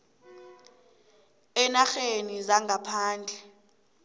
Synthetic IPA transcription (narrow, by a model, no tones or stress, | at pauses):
ɛnaxenizaŋɡʱapʰaːnd͡ɮʱɛ